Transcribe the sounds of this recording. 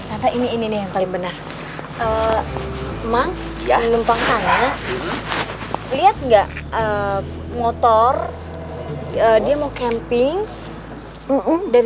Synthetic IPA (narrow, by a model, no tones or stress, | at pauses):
nat̪aʔiniːninijaŋpalɪŋbənar | ʔə | maŋ | ləmpaŋt̪ana | liat̪̚ŋɡaʔə | mot̪ɔr | ədiamawkɛmpɪŋ | daɾ